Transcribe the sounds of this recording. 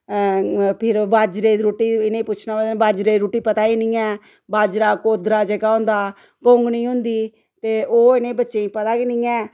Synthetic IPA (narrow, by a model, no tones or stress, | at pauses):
pʰɪɾbaːd͡ʒɾeːɾoːʈiːɪnẽːpʊt͡ʃʰnaːbəd̪baːd͡ʒɾeːɾuːʈiːpət̪aːiːnĩːɛː | baːd͡ʒɾaːkoːd̪ɾaːd͡ʒɛɡaːɦʊ̃nd̪aː | ɡoːŋɡnĩːɦʊ̃nd̪iː | t̪eːʔoːɪnẽːbətːʃeːĩːpət̪aːkinĩːɛː